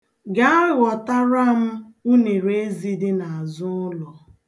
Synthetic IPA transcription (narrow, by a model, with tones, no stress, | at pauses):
ɡa˦a˦ɣɔ˨ta˦ɾa˦m̩˦u˦ne˨ɾe˦zi˦dɪ˦na˨a˨zʊ˦lɔ˨